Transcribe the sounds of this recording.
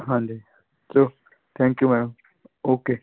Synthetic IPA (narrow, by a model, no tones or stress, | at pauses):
ɦãːnd̪e | soː | t̪ʰɛ̃ːŋkjumɛːɽəm | oːkeː